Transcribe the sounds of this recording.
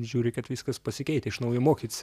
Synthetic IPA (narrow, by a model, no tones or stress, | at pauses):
ʒʲuːɾʲɪkɐt̪ʋʲiːskɐspɐsʲɪkʲɛɪt̪ʲɛɪʃnɐʊjɛmoːkʲit̪ʲɪsʲ